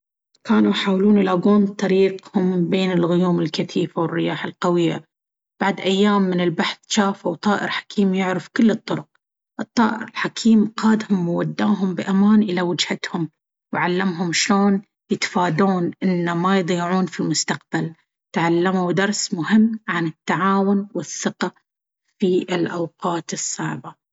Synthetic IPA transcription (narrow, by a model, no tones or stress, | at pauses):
kaːnujħaːwluːnlaːɡuːnt̪ˤɑɾiːqhʊmbeːnɪlɣʊjuːmɪlkaθiːfawɪrːɪjaːħalqɑwɪjːa̰ | b̥aʕd̪ʔajːaːmːɪnɪlbaħθʃaːfawt̪ˤɑːʔɪ̰ɾħḁkʰiːmjʊʕɾɪfkɪlːɨt̪ˤːʊɾʊq̚ | ʔɨt̪ˤːɑːʔɪ̰ɾɪlħakʰiːmqaːd̪hʊmwwad̪ːaːɦʊmbɪʔamaːnʔɪlawɪd͡ʒhat̪hʊm | wʕalːamɦʊmʃloːn | jɪt̪faːd̪uːnʔɪnːamajd̪ˤiːʕuːnfilmʊst̪aq̚b̥al | t̪ʕalːamud̪ɑɾˤsmʊhɪmːʕanɪt̪ːaʕaːwʊnwɪθːɪqa | fiʔɪlʔawqɑːt̪ɨsˤːɑʕba